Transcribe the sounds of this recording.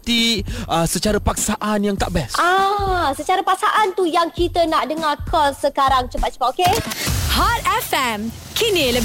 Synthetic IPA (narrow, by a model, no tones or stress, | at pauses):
t̪iəsət͡ʃaɾəpak̚saʔanjaŋt̪aʔbɛsasət͡ʃaɾəpak̚saʔant̪ujaŋkit̪ənaʔdəŋakʰɔsəkaɾaŋt͡ʃəpat̪̚t͡ʃə̥pat̪̚okehatɛfɛmkʰinilə